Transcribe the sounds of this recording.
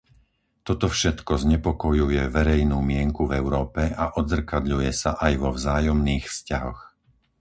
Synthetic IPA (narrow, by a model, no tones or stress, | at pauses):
t̪ɔt̪ɔfʃɛt̪kɔzɲɛpɔkɔjujɛʋɛɾɛjnuːmɪɛŋkuvɛʊɾɔːpɛaʔɔd̪zr̩kad̪ʎujɛsaʔajʋɔvzaːjɔmniːxfscaɦɔ̰x